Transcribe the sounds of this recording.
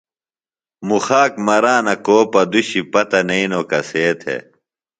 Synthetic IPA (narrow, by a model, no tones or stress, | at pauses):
muxaːkmɐɾaːnɐkoːpɐd̪uɕipɐt̪ɐnɐinokɐseːt̪ʰḛ